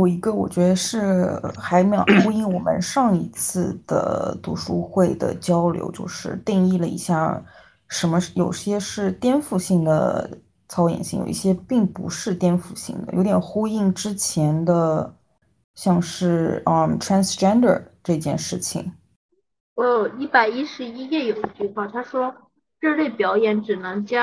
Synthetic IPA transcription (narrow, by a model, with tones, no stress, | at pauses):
jo˨˩ʊi˧˥ɡə˧wɔ̰˨˩t͡ɕɥɛ˧˥d̪ə˧ʂɻ̩˥˩xa˧˥ɪme˧˥jo̰˨˩ʊʊxu˥i˥˩ŋwɔ˨˩mə̰˧˦nʂɑ˥˩ŋi˧˥t͡sʰɹ̩˥˩d̪̥ə̰˩t̪u˧˥˩ʂu˥xwe˥˩ɪd̪ə̰˩t͡ɕjɑ˥ʊljo̰˧˥ʊt͡ɕjo˥˧ʊʂɻ̩˥˧t̪i˥˧ŋi˥˩lə˩ḭ˧˥ɕja˥˩ | ʂə˧˥nmə˧jo˨˩ʊɕjɛ˥ʂɻ̩˥˩t̪jɛ˥nfu˥˩ɕi˥˩ŋd̪ə̰˩ | t͡sʰɑ˥ʊjɛ̰˨˩nɕḭ˥˩ŋjo̰˨˩ḭ˥ɕjɛ˥pi˥˩ŋpṵ˧˥ʂɻ̩˥˧t̪jɛ˥nfu˥˩ɕḭ˥˩ŋd̪ə̰˩jo˧˥t̪jɛ˨˩nxu˥i˥˩ŋʈ͡ʂɻ̩˥t͡ɕʰjɛ˧˥nd̪ə˧ | ɕjɑ˥˧ŋʂɻ̩˥˩ə˧˩tʰɹa˥nsʈ͡ʂɛ˥nd̪ə̰˞˧˩ʈ͡ʂɤ˥˧t͡ɕjɛ̰˥˧nʂɻ̩˥˩t͡ɕʰḭ˨˩ŋ | wɔ˧˥jo˨˩ʊi˥˩pa˨˩ɪi˥ʂɻ̩˧˥i˥jɛ˥˩jo˨˩ʊd̪ə˧t͡ɕy˥˧xwa˥˩t̪ʰa˥ʂwɔ˥ | ɻɤ˥˧le˥˩ɪpjɑ˧˥ʊjɛ˧˥nʈ͡ʂɻ̩˨˩nɤ˧˥ŋt͡ɕja˥